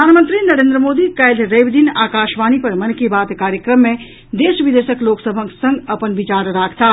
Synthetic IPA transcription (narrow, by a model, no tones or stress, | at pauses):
aːnmə̃nt̪ɾinɐɾẽːnd̪ɾəmoːd̪ikɛjlɾeːʋd̪inaːkaːʃʋaːnipɐɾmɐnkibaːt̪kaːɾjəkɾəmːẽ | d̪eːʃʋɪd̪eʃəkloːksəbʱə̃ksə̃ŋɡɐpənʋɪt͡ʃaːɾɾaːkʰt̪aː